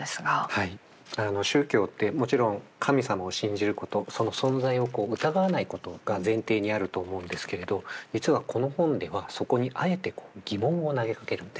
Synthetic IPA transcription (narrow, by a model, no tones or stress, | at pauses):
sɨɡahai | ano̞ɕɨːkʲo̞ːt̪ːe̞mo̞t͡ɕiɾõ̞ŋkʰamʲisamao̞ɕĩɲ̟d͡ʑiɾɯ̟ko̞t̪o̞so̞no̞sõ̞nd͡zaio̞ko̞ːɯ̟t̪aɡaβanaiko̞t̪o̞ɡ̥azẽ̞nt̪e̞ːɲ̟iaɾɯ̟t̪o̞ːmo̞ɯ̟̃nd̪e̞sɨ̥ke̞ɾe̞d̪o̞d͡ʑit͡sɨβakʰo̞no̞hõ̞nd̪e̞βaso̞ko̞ɲ̟iʔae̞t̪e̞ko̞̥ːɡ̥ʲimõ̞ɰ̃o̞naɡe̞kake̞ɾɯ̟̃nd̪e